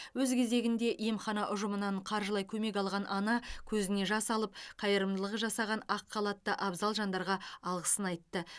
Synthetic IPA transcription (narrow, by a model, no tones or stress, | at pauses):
wɵzkʲʰe̞ze̞ɡʲɪnd̪e̞ʔjemχɑnɑʔʊʒəmənɑɴqʰɑɾʒəlˠɑjkʲʰɵme̞k̬ʲɑlˠʁɑnʔɑnɑkʲʰɵzɪne̞ʒɑsɑlˠəp̚qʰɑjəɾəmd̪əlˠəʁəʒɑsɑʁɑnɑqʰːɑlˠɑt̪ːəʔɑbzɑlˠʒɑnd̪ɑɾʁɑɑlˠʁəsənɑjt̪ːə